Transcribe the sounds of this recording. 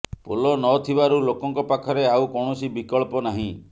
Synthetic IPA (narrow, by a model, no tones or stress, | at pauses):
polɔnɔt̪ʰibaɾulokɔŋkɔpakʰɔɾeaukɔɽ̃ɔsibikɔɭpɔnaɦĩ